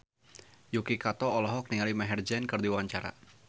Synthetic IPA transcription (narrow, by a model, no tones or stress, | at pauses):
jukikat̪ɔːlɔɦɔk̚niŋalimaɦɛrd͡ʒɛnkɨrd̪iwawaɲt͡ʃaɾa̰